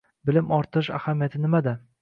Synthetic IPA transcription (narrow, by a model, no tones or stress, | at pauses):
bɪlɪmɒɾt̪ʰɨɪʃa̰hamijat̪ʰɪnɪmad̪a